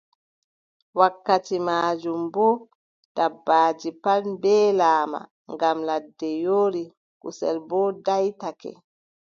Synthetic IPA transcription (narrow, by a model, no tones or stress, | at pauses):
wakːatimaːd͡ʒumbɔ | d̥abːaːd͡ʒipalmbɛːlaːma̰ | ŋɡamladːɛjoːɾi | kusɛ̰lbɔdajtakɛ̰